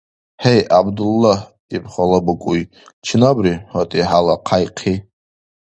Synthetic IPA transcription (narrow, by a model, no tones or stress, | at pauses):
ħejʔabdulːah | ipʰχalabɨkʷʼuj | t͡ʃʰnabriħatʼiħalaqʰajqʰi